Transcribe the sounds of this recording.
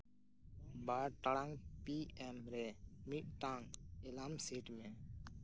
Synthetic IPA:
baːɾʈəɽãŋɡpiːɛːmɾeːmiɗʈ̪ãːŋɡelaːmseːʈmẽː

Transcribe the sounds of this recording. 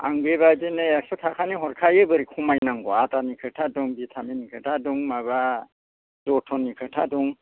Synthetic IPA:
a̰ŋbeβazeneaksɔtʰakʰaniɦɔɾkʰajɯbɯɾikʰumajnaŋɡɔatanikʰɯtʰadɔŋbitʰaminikʰɯtʰadɔŋmaβa | d̥ɔtʰɔnːikʰɯtʰaduŋ

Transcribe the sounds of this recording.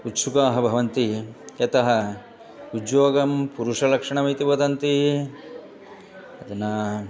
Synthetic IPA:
ut̪sukaːɦɐbʱɐʋɐnt̪ijɐt̪ɐɦɐ | udjoːɡɐmpuɾuʂɐlɐkʂɐɳɐmit̪ibɐd̪ɐnt̪i | ɐd̪ɐnɐ

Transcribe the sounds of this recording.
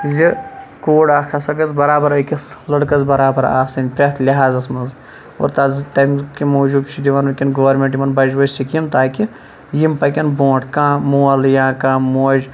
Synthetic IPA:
zikoːɽaːkʰɐsɐɡɐzbɐɾaːbɐɾɐkʲɐslɐɽkɐzbɐɾaːbɐɾa̰ːsɐnʲpɾʲet̪lʲiɦaːzɐsmɐnz | o̰ːɾt̪ɐzɨt̪ɐmʲkimoːʒubt͡ʃʰid̪iʋɐnɐkʲinɡoʋɐɾmʲeɳʈjimɐnbɐd͡ʒʋɐsikimt̪aːkʲi | jimpɐkʲɐnbõːʈʰkãːmuːɐljãːkãːmuːɐd͡ʒ

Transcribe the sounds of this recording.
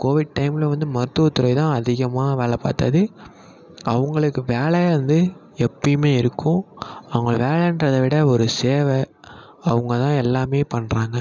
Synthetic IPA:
koːʋɪɖ̚ʈɐɪmɪlʋɐnd̪ɯmɐɾɯt̪ːɯʋɐt̪ːʊɾɐɪt̪ãːɐðɪɣɐmaːʋeːɭɐpa̰ːt̪ɐ̰ðɯ | ɐʋɐŋɡɐɭɯkːɯʋeːɭɐɐɯnd̪ɯ | ɛpːɐjmeːɪɾɯkːʊ̃ɐʋŋɡɐɭʋeːɭɛɪndɾɐðɐʋɪɽɐɔɾɯseːʋɛ | ɐʋɐŋɡɐt̪ãːɛlːaːmeːpɐɳːɾaːŋɡɐ

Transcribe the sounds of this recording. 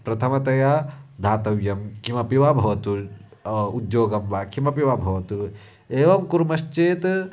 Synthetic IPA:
pɾɐt̪ʰɐmɐt̪ɐjad̪ʱaːt̪ɐʋjɐmkimɐpiʋabʱɐʋɐt̪u | ud̪joːɡɐmʋaːkimɐpiʋabʱɐʋɐt̪u | eːʋɐmkuɾmɐʃt͡ʃeːt̪

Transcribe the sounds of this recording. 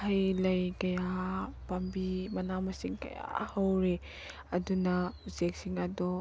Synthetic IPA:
hɐjlɐjkɐjapambimɐnamɐsiŋkɐ̰ja̰hɐwɾe | ɐdunausek̚siŋɐdɔ

